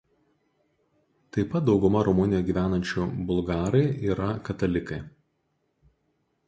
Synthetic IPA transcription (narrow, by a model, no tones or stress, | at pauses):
t̪ɐɪpɐt̪̚d̪ɒʊɡʊmɐɾɔmʊnʲɪjoɡʲiːʋʲæːnɐnʲt͡ʃʲʊbʊlˠɡɑːɾɐɪiːɾɐkɐt̪ɐlʲɪkɐɪ